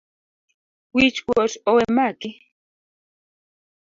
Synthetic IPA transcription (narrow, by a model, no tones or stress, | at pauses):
wit͡ʃkɔt͡ʃɔwɛmaki